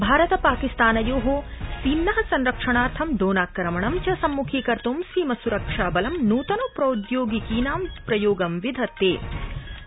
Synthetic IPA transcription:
bʱaːɾɐt̪ɐpaːkist̪aːnɐjoːɦoːsiːnːɐɦɐsɐnɾɐkʂɐɳaːɾt̪ʰɐmd̪oːnaːkːɐɾɐmɐɳɐmt͡ʃɐsɐmːukʰiːkɐɾt̪umsiːmɐsuɾɐkʂaːbɐlɐmnuːt̪ɐnoːpɾɐud̪joːɡikiːnaːmpɾɐjoːɡɐmʋid̪ʱɐt̪ːḛː

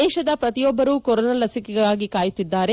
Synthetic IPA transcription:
ɛːʃɐd̪ɐpɾɐt̪ijɔbːɐɾuːkɔɾonɐlɐsikɛɡɐaːɡikaːjut̪ːid̪ːaːɾe

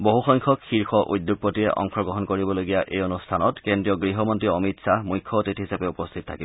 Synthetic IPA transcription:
boɦuxɔŋkʰɔkxiɹxʰɔʔṵdːjuɡ̚potiɛʔɔ̰ŋxʰɔɡɔɦɔnkoɹibɔloɡijaʔejonustʰanɔtkendɹiɔɡɹiɦɔmɔntɹiɔmitsamujkʰːɔtithɦisapɛupɔstʰitɔtʰakib

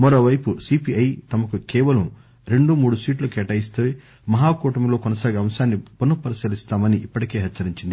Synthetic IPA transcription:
mɐɾo̞ːʋɐjpusiːpiɐjt̪ɐmɐkukɛːʋɐlɐm | ɾe̞ɳɖumuːɽusiːʈlɐkɛːʈɐjist̪eː | mɐɦaːkuːʈɐmlo̞ːkɔnɐsaːɡiɐmsaːnːipunːɐpɐɾisɐlist̪aːmɐniʔːpːɐʈike̞ːɦɐt͡ʃːɐɾiɲt͡ʃind̪i

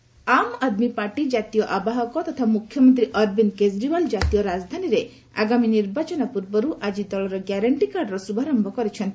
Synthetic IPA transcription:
amad̪mipaɾʈid͡ʒat̪ijɔʔabaɦɔkɔt̪ɔt̪ʰamukʰjɔmɔnt̪ɾiʔɔɾbinked͡ʒɾibald͡ʒat̪ijɔɾad͡ʒd̪ʱaniɾe | a̰ɡaminiɾbat͡ʃɔnapuɾbɔɾuʔad͡ʒid̪ɔɭɔɾɔɡaɾaɳʈikaɾɖɾɔsubʱaɾɔmbʱɔkɔɾit͡ʃʰɔnt̪

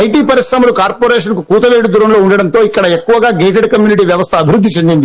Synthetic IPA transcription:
ɐjʈiːpɐɾiʂɾɐmɐlukaːɾpoːɾeːʂɐnkukuːt̪ɐʋeːɽud̪uːɾɐmloːuɳɖɐɽɐnt̪o̞ːikːɐɽɐekːuʋɐɡaːɡeːʈ̬eɖkɐmjuːniʈ̬iːʋjɐʋɐst̪ʰɐːbʱiɾud̪ːit͡ʃe̞nd̪ind̪i

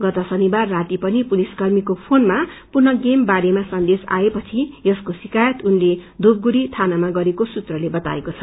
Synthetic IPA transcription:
ɡʌt̪ʌsʌnibarːat̪ipʌnipuliskʌrmikopʰonmapurnʌɡembaɾemasʌnd̪esa̰epʌt͡sʰijʌskosikajʌt̪unled̪ub̚ɡuɾit̪ʰanamaɡʌɾekosut̪rʌlebʌt̪a̰ekot͡sʰʌ̥

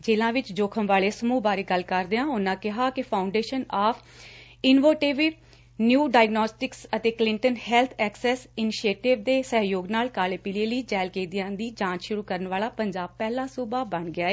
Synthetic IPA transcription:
d͡ʒeːlãːʋɪt͡ʃd͡ʒoːkʰəmʋaːleːsəmuːbaːɾeːɡəlkəɾd̪eːãːʊnãːkɪɦaːkɪpʰaːʊɳɖeːʃənaːpʰ | ɪnʋoːʈeːʋi | njuːɖaːɪɡnɔːsʈɪksət̪eːklɪɳʈənhɛlt̪ʰɛːksɛːsɪnɪʃeːʈɪʋd̪eːsəɦjoːɡnaːlkaːleːpiːleːləiːd͡ʒɛːlkeːd̪ɪjãːd̪iːd͡ʒãːt͡ʃʃʊɾuːkəɾənʋaːlaːpəɲd͡ʒaːb̚pɛːlãːsuːbaːbəɳɡɪaːeː

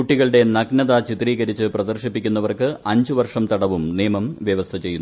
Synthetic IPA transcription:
uʈːiɣɐɭɨɽe̞nɐɡnɐðat͡ɕit̪ːriːɣɐɾit͡ɕːɨprɐd̪ɐrɕipːikʲːunːɐʋɐrkɨʔɐɲd͡ʑuʋɐrʂɐmt̪ɐɽɐʋumniːmɐmʋjɐʋɐst̪ʰɐt͡ɕe̞jːunː

